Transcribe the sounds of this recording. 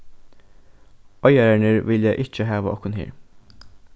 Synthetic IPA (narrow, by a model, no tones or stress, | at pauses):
œjæɾæɳəɾʋɪljæʔɪt͡ʃəɦɑːʋə̰ɔkʊnhḛːɹ